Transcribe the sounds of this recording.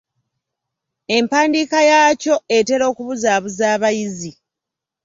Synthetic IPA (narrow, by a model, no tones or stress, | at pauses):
e̞mpaːndiːkajaːco̞e̞te̞ɾo̞ːkuβuzaːβuzaːβajizi